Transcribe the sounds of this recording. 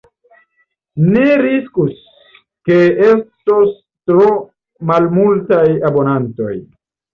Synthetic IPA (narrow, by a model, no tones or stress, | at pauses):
neɾiskus | keestos | tɾo | malmultajabo̞nanto̞̰j